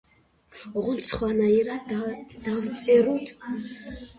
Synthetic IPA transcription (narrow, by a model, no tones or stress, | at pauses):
ʁʷʊnt͡sʰχʷanairadd̥avt͡sʼeɾutʰ